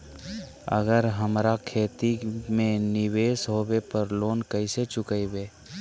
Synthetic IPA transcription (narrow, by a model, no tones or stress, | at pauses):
ə̰ɡəɾɦəmɾakʰeːt̪imẽnɪʋeːsɦoːwepəɾloːnkəiset͡ʃʊkəiweː